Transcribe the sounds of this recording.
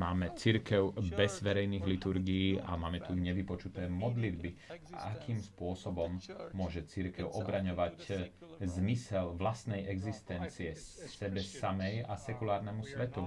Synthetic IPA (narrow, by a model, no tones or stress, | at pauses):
maːmɛt͡siɾkɛʊbɛz̥ʋɛɾɛjniːɣlit̪uɾɡijːʔa̰maːmɛt̪uɲɛʋipɔt͡ʃut̪ɛːmɔd̪lid̪bḭʔakʰiːmspʊɔsɔbɔmːʊɔʒɛt͡siɾkɛʊʔɔbɾaɲɔʋac | zmisɛlʋlast̪nɛjʔɛɡzist̪ɛnt͡siɛsɛbɛsamɛjasɛkulaːɾnɛmusʋɛt̪u